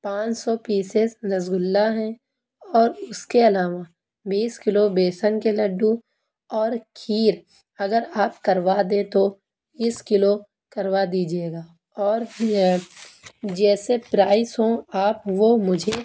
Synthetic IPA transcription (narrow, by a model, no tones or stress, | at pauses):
pãːt͡ʃsɔpiːsesnɐzɡʊlːaɦɛ̃ | ɔːɾʊskeɐlaːʋa | biːskɪlobeːsənkelɐɖːũ | ɔːɾkʰiːɾ | ɐɡəɾaːp̚kɐɾwad̪ẽt̪o | ɪskɪlo | kɐɾʋad̪iːd͡ʒieːɡaː | ɔːɾ | d͡ʒɛːsepɾaːɪsɦõaːpʋomʊd͡ʒʱe